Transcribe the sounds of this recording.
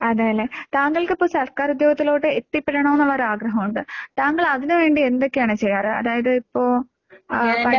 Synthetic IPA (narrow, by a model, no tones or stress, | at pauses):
ɐðaːjɐlːet̪aːŋɡɐɭkɨipːoːsɐrkaːɾud̪joːɡɐt̪ːilo̞ːɽeet̪ːipːeɽɐɳɐmenːuɭːɐoɾɨaːɡɾɐɦɐmuɳɖɨt̪aːŋɡɐɭɐðinɨʋe̞ːɳɖiend̪o̞kːejaːɳɨt͡ɕejːaːrɨɐ̰ðaːjɐðɨipːo̞ː | pɐɽ